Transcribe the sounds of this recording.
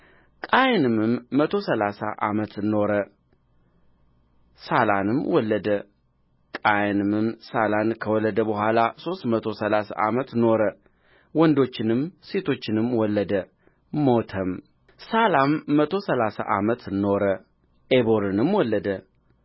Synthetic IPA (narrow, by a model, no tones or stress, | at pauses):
kʼajnɨmɨmːət̪ʰo̞səlasa̰ʔa̰mət̪ɨno̞ɾə | sala̰nɨmwɔlːəd̪ə | kʼajnɨmɨmsalankʰəwɔlːəd̪əbəɦʷalaso̞st̪mət̪ʰo̞səlasa̰ʔa̰mət̪no̞ɾə | wɔnd̪o̞t͡ʃːɪnɨmse̞t̪ʰo̞t͡ʃːɪnɨmwɔlːəd̪ə | mot̪ʰəm | salamːət̪ʰo̞səlasa̰ʔamət̪no̞ɾə | eboɾɨnɨmwɔlːəd̪ə